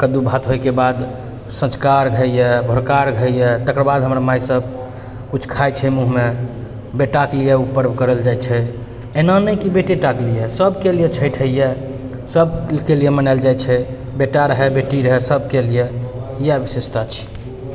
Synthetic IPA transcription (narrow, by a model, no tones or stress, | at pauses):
kəd̪ubʱat̪ɦojkebad̪ | sə̃t͡ʃkaɾɡʱəjjebʱoɾkaɾɡʱəjjet̪əkɾəbad̪ɦəmɾamajsəb̚ | kut͡ʃʰkʰajt͡ʃʰɛmuɦme | beʈaklijɛupːəɾbkəɾəld͡ʒajt͡ʃʰɛ | enanəjkibeʈeʈaklijesəbkelijet͡ʃʰəjʈʰəije | səbkelijemənaɪld͡ʒajt͡ʃʰɛ | beʈaɾəɦebeʈiɾəɦɛsəbkelijejɛbisest̪at͡ʃʰi̥